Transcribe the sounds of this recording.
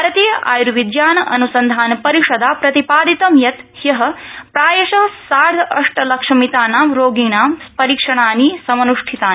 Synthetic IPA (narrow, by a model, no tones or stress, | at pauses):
bʱaːɾɐt̪iːjɐʔa̰ːjɾuʋid̪jaːnɐʔɐnusɐnd̪ʱaːnpɐɾiʃɐd̪aːpɾɐt̪ipaːd̪it̪ɐmjɐt̪jɐɦɐ̆pɾaːjɐʃɐɦsaːɽʱɐʂʈɐlɐkʂɐmit̪aːnaːmɾoːɡiːnaːmspɐɾiːkʂɐɳ̃aːniːsɐmɐnuʂʈʰit̪aːn